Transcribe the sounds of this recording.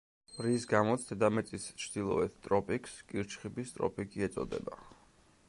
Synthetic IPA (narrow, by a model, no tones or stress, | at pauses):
ɾisɡamɔt̪sʰd̪ʰɛd̪amɛt̪sʼist͡ʃʰd̪̥ilˠɔ̰ɛt̪ʰt̪ʼɾɔpʼikʰskʼiɾt͡ʃχibist̪ʼɾɔ̰pʼikʼiɛt̪sʼɔ̰d̪ɛ̰ba̰